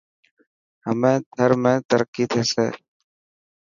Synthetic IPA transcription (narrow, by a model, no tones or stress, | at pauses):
həmẽːd̪ʱəɾmẽːt̪əɾəkːiːt̪ʰeːsḛː